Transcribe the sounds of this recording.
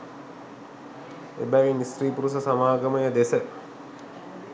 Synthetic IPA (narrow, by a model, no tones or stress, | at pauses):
ḛbæʋinisriːpuɾus̬əsamaːɡəməjəd̪esə